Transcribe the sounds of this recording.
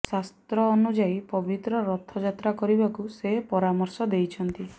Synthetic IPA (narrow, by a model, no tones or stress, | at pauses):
sast̪ɾɔːnud͡ʒaipɔbit̪ɾɔɾɔt̪ʰːɔd͡ʒat̪ɾakɔɾibakusepɔɾamɔɾsɔd̪ejt͡ʃʰɔnt̪i